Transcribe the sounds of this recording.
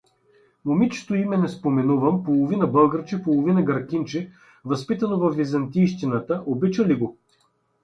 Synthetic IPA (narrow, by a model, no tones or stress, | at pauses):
momit͡ʃɛ̥t̪oimɛnɛspomɛnuvəmpolˠovinɐbɤlˠɡəɾt͡ʃipolˠovinɐɡɐɾkʲint͡ʃɛ | vɐspit̪ɐnovɐfvizɐnt̪ijʃt̪inət̪əʔobit͡ʃəliɡo